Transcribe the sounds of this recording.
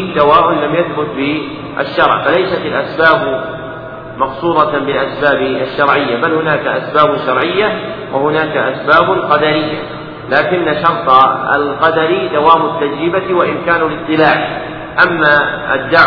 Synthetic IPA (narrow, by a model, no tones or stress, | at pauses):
d̪awaːʔʊnlamjaθbʊt̪bɪ | ʔa̰ʃːɑɾˤʕfalajsat̪alʔasbaːb | mɑqsˤuːd̪ˤɑbɪlʔasbaːbaʃːɑɾˤʕɪjːabalhʊnaːkaʔasbaːbʊʃɑɾˤʕɪjːa | wʔahʊnaːkaʔasbaːblqɑd̪aɾɪjːa | laːkɪnːaʃɑɾˤt̪ˤɑa̰lqɑd̪aɾid̪awaːmʊt̪ːad͡ʒɾɪbawaʔɪnkaːnulɨt̪ˤːɨlaːʕ | ʔamːaʔad̪ːaʕ